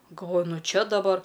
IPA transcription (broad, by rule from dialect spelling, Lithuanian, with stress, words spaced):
ɡɐlˠˈʋoːjʊ ˈnʊ ˈt͡ʃʲɛ dɐˈbɐr